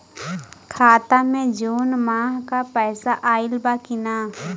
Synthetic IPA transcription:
kʰaːt̪amẽd͡ʒoːnmaːɦkapɛːsaʔaːɪlbakɪnaː

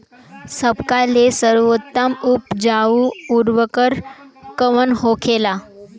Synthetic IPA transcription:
səbkalesəɾʋot̪ːəmupd͡ʑauuɾʋəkəɾkəʋənɦokʰela

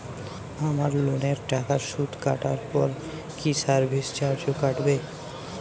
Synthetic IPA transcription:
amaɾloneɾʈakaɾʃut̪kaʈaɾpɔɾ | kisaɾbʱist͡ɕaɾd͡ʑokaʈbe

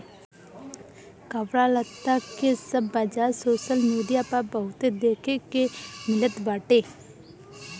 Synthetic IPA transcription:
kəʋɾaːlət̪ːakesəbːəd͡ʒaːsoːʃəlmiːɖijapəɾbəɦʊt̪ed̪eːkʰekemɪlət̪baːʈeː

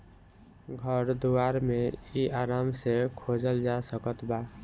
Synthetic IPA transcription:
ɡʱəɾd̪uwaːɾmẽiʔaːɾaːmsekʰoːd͡ʒəld͡ʒasəkət̪baː

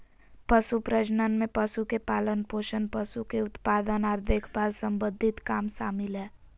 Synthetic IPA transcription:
pəsupɾəd͡ʒnənmẽpəsukepaːlənpoːʃənpəsukeʊt̪paːd̪ənaːɾd̪ʱɪkʰbaːd̪sə̃mbəd̪ʱɪt̪kaːmʃaːmɪlɦɛː

